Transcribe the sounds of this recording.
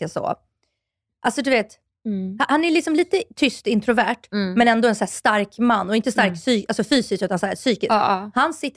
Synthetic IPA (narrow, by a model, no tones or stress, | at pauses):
asɔ̰ | ʔalsɔd̪ɵveːt̪ | hahanæɭɪksɔmliːt̪ət̪ʰʏst̪ɪnt̪ɾʊvæʈmɛnɛnd̪ɔɛnsæːʂt̪aɾkmanːɔɪnt̪əst̪aɾksyːalsɔfyːsɪskʉ̟t̪ansæːɾsyːkɪshansɪt̪ː